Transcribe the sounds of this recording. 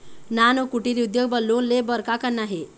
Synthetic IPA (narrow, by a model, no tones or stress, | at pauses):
nanəkuʈiɾiud̪joɡbəlːuːnlebəɾkakanːaɦe